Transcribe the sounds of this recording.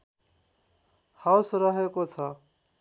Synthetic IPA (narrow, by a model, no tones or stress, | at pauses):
hawsrʌɦekot͡sʰʌ